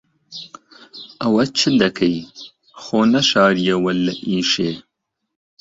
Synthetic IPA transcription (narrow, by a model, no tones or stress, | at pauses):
ɐwɐt͡ʃʰɨd̪ɐkʰɐj | xoːnɐʃɑːɾijɐwɐlːɐʔiːʃeː